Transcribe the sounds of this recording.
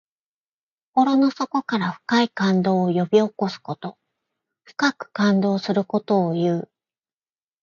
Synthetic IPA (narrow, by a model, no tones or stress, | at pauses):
ko̞ɾo̞no̞so̞ko̞kaɾaɸɯ̟̥kaikãnd̪o̞ːjo̞bʲio̞ko̞sɨ̥ko̞t̪o̞ | ɸɯ̟̥kakɯ̟̥kãnd̪o̞ːsɨɾɯ̟ko̞t̪o̞ːjɯ̟ː